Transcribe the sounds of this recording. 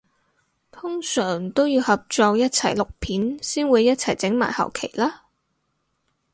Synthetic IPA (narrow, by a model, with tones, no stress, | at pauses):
t̪ʰʊ˥ŋsœː˨˩ŋt̪o˥wjiː˨˧whɐ˨p̚t͡sɔː˧k̚jɐ˥t̚t͡sʰɐ˨˩jlʊ˨k̚pʰiː˨˥nsiː˥nwuː˨˧jːɐ˥t̚t͡sʰɐ˨˩jt͡sɪ˨˥ŋma̰ː˨˩jhɐ̰˨˩wkʰḛ˨˩jlaː˥